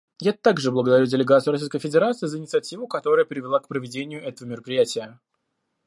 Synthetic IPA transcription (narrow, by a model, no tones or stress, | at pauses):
jat̪aɡʐɨblˠəɡəd̪ɐɾʲudʲɪlʲɪɡat̪sɨːɾɐsʲijs̬ʲkəjfʲɪdʲɪɾat̪sɨːzəɪnʲɪt̪sɨɐtʲivʊkɐt̪o̞ɾəjəpʲɪɾʲɪvʲɪlˠakpɾəvʲɪdʲenʲɪjʊʔɛt̪əvəmʲɪɾəpɾʲɪjætʲɪjə